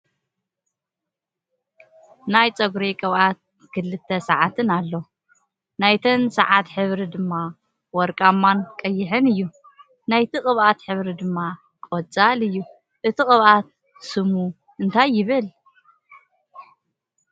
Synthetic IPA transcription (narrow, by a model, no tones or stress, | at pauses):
najt͡sʼɐɡɾekʼɨβat̪̚ | kʰɨlːɨt̪ʰːɐsɐʕat̪ʰɨnalːo | najt̪ʰɐnsɐ̰ʕat̪ħɨβɾid̪ɨmːa | wɔɾkʼamːankʼɐjːɪħɨnɨjːu | najt̪ʰiχʼɨβʔat̪ħɨβɾid̪ɨmːa | kʼot͡sʼalɨjːu | ʔɨt̪ʰixʼɨβʔat̪̚ | sɨmu | ɨnt̪ʰajːɪβɨl